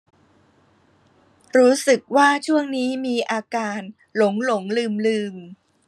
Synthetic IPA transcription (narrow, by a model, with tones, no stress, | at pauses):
ɾuː˦˥sɯ˨˩k̚waː˥˩t͡ɕʰu˥˩əŋniː˦˥miː˧ʔaː˧kaː˧n | lo˩˦ŋlo˩˦ŋlɯː˧mlɯː˧m